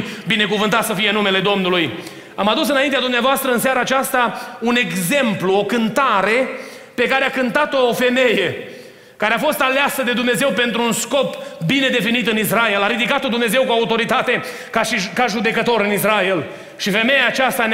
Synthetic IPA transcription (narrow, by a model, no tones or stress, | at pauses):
bine̞kuvɨnt̪at̪səfije̞nume̞le̞d̪o̞mnuluj | amad̪usɨnaint̪ead̪umneavoast̪ɾəɨns̬aɾaːt͡ʃast̪aune̞ɡze̞mpluo̞kɨnt̪aɾe̞ | pe̞kaɾeakɨnt̪at̪o̞ːfe̞me̞je̞ | kaɾeafo̞st̪aleasəd̪e̞d̪umne̞ze̞wpe̞nt̪ɾunsko̞pbine̞d̪e̞finit̪ɨnisrae̞laɾid̪ikat̪od̪umne̞ze̞wkuaut̪o̞ɾit̪at̪e̞ | kaʃikaʒud̪e̞kət̪o̞ɾɨnisrael | ʃife̞me̞jaːt͡ʃast̪an